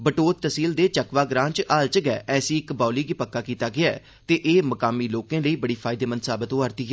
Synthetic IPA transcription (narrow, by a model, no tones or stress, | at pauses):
bəʈoːt̪t̪əsiːld̪eːt͡ʃəkʋaːɡɾãːnt͡ʃʔaːlt͡ʃəɡɛːʔɛːsiːɪkbaːliːɡiːpəkːaːkiːt̪aːɡɪaː | t̪eːʔeːməkaːmiːloːkẽːləiːbəɽiːpʰaːɪd̪eːmənt̪saːbət̪oːaːɾt̪iːɡɛː